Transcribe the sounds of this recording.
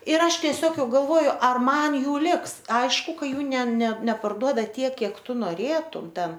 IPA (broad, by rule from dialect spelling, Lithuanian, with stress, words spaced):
ɪr ˈɐʃ tʲiɛˈsʲoːk ˈjɛʊ ɡɐlˠˈʋoːjʊ ˈɐr ˈmɐn ˈjuː ˈlʲɪks ˈɐɪʃkʊ ˈkɐ ˈjuː nʲɛ nʲɛ nʲɛpɐrˈduɔdɐ ˈtʲiɛk ˈkʲiɛk ˈtʊ noːˈrʲeːtʊm ˈtʲɛn